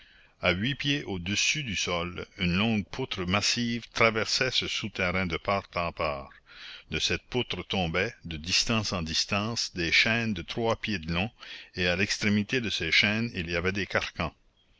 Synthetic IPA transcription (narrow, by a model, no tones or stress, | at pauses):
aɥipjeʔod̪əsyd̪ysɔlynlɔ̃ɡ̚pʰut̪ɾəmasiːvt̪ɾavɛʁsɛsəsut̪ɛɾɛ̃d̪əpaʁt̪ɑ̃paːʁd̪əsɛt̪̚put̪ɾət̪ɔ̃bɛd̪əd̪ist̪ɑ̃sɑ̃d̪ist̪ɑ̃ːsd̪eʃɛnd̪ət̪ɾwapjed̪əlɔ̃ealɛkst̪ɾemit̪ed̪əseʃɛːniliavɛd̪ekaʁkɑ̃